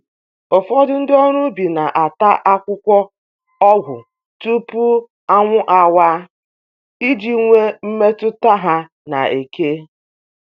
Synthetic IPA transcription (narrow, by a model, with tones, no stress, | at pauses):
o˨fɔ˦dʊ˦n̩˦dɪ˦ɔ˦ɾu˦bi˨na˨ʔa˨ta˦ʔa˦kʷʊ˦kʷɔ˦ | ɔ˦ɡʷʊ̰˨ | tu˦pu˦ | a˦ŋʷʊ˦ʔa˨wa˦ | i˦d͡ʒi˦ŋʷe˦m̩˦me˦tʊ˦ta˦ɦa˦ | na̰˨e˨ke˦